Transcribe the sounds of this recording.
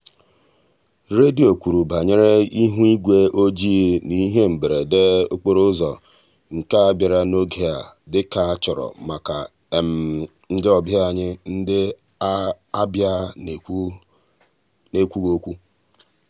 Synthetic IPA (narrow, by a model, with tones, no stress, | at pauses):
ɾe˦di˨o˨kʷu˨ɾu˨ba˨ɲe˦ɾe˦i˦ɦu˦i˦ɡʷe˦o˦d͡ʒi˦e˦ni˦ɦe˦m̩˨be˨ɾe˨de˦o˦k͡po˦ɾo˦zɔ˨ | ŋ̩˨ka˦a˦bja˨ɾa˨no˦ɡe˨a˨dɪ˦ka˨a˦t͡ʃɔ˨ɾɔ̰˨ma˨ka˨ | m̩˨ | n̩˦dɪ˦ɔ˨bja˦a˨ɲɪ˦n̩˦dɪ˦ | a˦bja˦˨ | ne˦kʷu˦ɡo˦kʷu˦